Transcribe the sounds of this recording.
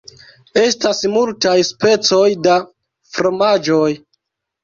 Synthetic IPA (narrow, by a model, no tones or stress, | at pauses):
e̞stasmultajspe̞t͡so̞jda | fɾo̞mad͡ʒo̞j